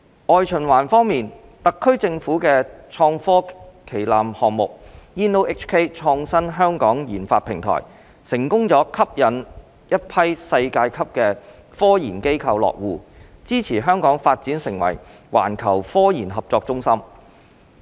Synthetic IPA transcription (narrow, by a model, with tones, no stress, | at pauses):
ʔɔː˨jt͡ʃʰɵ˨˩nwaː˨˩nfɔː˥ŋmiː˨n | t̪ɐ˨kʰːɵ˥ɥt͡sɪ˧ŋfuː˨˥kɛː˧t͡ʃʰɔː˧ŋfɔː˥kʰe˨˩jlaː˨mhɔː˨ŋmʊ˨k̚jiː˧˥nːo˧wʔɪ˥t͡ʃʰkʰe˥t͡ʃʰɔː˧ŋsɐ˥nɦœː˥ŋkɔː˨˥ŋjiː˨˩nfaː˧t̚pʰɪ˨˩ŋt̪ʰɔ̰ː˨˩j | sɪ˨˩ŋkʊ˥ŋt͡sɔː˨˥kʰɐ˥p̚jɐ˨˥n | jɐ˥t̚pʰɐ˥jsɐ˧jkaː˧jkʰɐ˥p̚kɛː˧ | fɔː˥jḭː˨˩nke˥jkʰɐ˧wlɔ̰ː˨k̚wuː˨˧t͡siː˥t͡sʰiː˨˩ɦœː˥ŋkɔː˨˥ŋfaː˧t̚t͡siː˨˥nsɪ˨˩ŋwɐ̰˨˩j | wa̰ː˨˩nkʰɐ˨˩wfɔː˥jiː˨˩nɦɐ˨p̚t͡sɔː˧k̚t͡sʊ˥ŋsɐ˥m